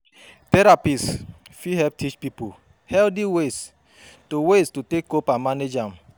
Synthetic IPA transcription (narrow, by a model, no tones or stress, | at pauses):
tɛɾapisfihɛp̚tʰit͡ʃpipo | hɛldiwes | towestotekːopãmaned͡ʒãm̩